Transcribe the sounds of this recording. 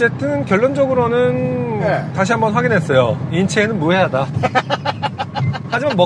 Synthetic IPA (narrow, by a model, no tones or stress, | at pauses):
t͡ɕe̞tʰɯnkjʌɭːond͡ʑʌɡɯɾonɯn | taɕ̬ʰiɦambʌnɸwaɡinɦe̞s͈ʌjoint͡ɕʰeːnɯnmuɦe̞ɦada | had͡ʑimanmʌ